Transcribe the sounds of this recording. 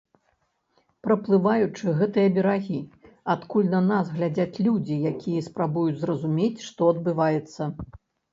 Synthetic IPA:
pɾɐplˠɨvajut͡ʂɨɣɛt̪ɨjɐbʲɛɾaɣʲi | at̪kulʲnɐnasɣlʲad͡zʲat͡sʲlʲud͡zʲijakʲʰijɐspɾabujud͡zʲzrɐzumʲet͡sʲʂt̪ɔɐd̪bɨvajɛt̪sːɐ

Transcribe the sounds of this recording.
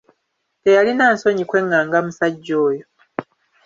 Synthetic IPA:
tejalinaːnso̞ɲikwe̞ŋːaːŋɡamusaɟːo̞ːjo

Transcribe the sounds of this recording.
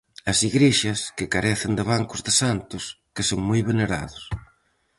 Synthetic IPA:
ɐsiɣɾeʃɐskɪkaɾɛθɪnd̪ɪβaŋkʊzðɪsant̪ʊskɪsoŋmojβeneɾa̰ðʊs

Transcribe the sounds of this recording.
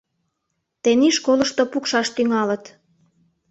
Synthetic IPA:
t̪eniʃkolə̆ʃt̪opukʃɑʃt̪yŋɑlə̆t̪

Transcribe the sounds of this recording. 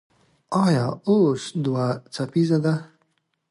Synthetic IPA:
ɑjɑ̰oʂd̪wat͡sapizad̪a

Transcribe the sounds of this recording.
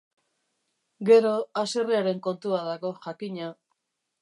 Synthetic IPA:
ɡe̞ɾo̞aseriaɾe̞ŋko̞nt̪uaðaɣo̞ʝakiɲa

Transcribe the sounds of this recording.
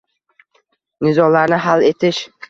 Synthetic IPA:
nɪzɒlaɾnɪɦale̞t̪ʰɪʃ

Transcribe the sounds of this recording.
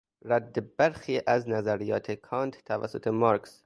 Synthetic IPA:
ɾæd̪ːebæɾxiːʔæznæzæɾijɒ̰ːt̪ʰekʰɑːnt̪t̪ʰːævæ̰sːot̪ʰemɑːɾks

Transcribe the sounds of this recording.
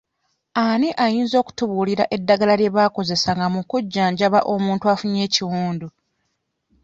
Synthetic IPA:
aniʔajiːnzo̞ːku̥tuβuːliɾaʔe̞dːaɡalalje̞βaːko̞ze̞saŋɡamukuɟːaːɲɟaβaʔo̞mũːntuafuɲe̞ːciwuːndu

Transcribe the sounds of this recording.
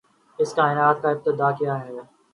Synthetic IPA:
ɪskaːɪnaːt̪̚kaɪp̚t̪ɪd̪aːkijaɦɛ

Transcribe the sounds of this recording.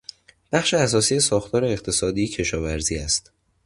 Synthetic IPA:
b̥æχʃeæs̬ɒːsiːjesɒːxt̪ʰɒːɾe̞eqt̪ʰe̞sɒːd̪iːecʰe̞ʃɒːvæɾziːæst̪

